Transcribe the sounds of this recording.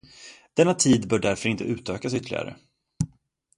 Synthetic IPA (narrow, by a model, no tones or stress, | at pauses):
d̪̥ɛnːat̪ʰiːd̪bœːɖæɾfœɾɪnt̪əʉ̟ːt̪øːkas̬ʏt̪əlɪ̰ɡa̰ɾə̰